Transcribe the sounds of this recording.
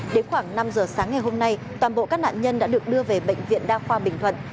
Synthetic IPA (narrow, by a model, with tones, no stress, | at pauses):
ɗe˨˦nxwaː˧˩ŋna˧mzəː˨˩saː˨˦ŋa˨˩jɦo˧mna˧jt̪waː˨˩nɓo̰˧˨kaː˦˥k̚na̰ː˧˨ɲə˧nɗa̰ː˧˥ɗɨ˨˩ək̚ɗɨ˧əve˨˩ɓə̰˧˨ŋ̟vḭ˧˨ənɗaː˧xwaː˧ɓï˩ŋ̟t̪ʰwə̰˧˨n